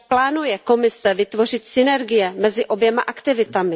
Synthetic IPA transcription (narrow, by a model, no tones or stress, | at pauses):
plaːnujɛko̞mɪsɛvɪt̪vo̞rɪt̪sɪnɛɾɡɪjɛmɛzɪʔo̞bjɛmaʔakt̪ɪvɪt̪amɪ